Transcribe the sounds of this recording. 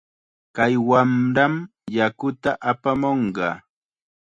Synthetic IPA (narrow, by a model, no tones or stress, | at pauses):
kajwamɾam | jakʊt̪aʔapamoɴɢɑ̰ː